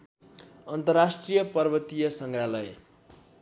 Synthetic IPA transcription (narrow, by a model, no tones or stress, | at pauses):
ʌnt̪ʌrasʈrijʌpʌrbʌt̪ijʌsʌŋɡralʌj